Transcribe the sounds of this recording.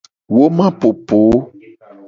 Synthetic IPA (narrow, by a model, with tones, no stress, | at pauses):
wo˦mã˦po˨po˨˦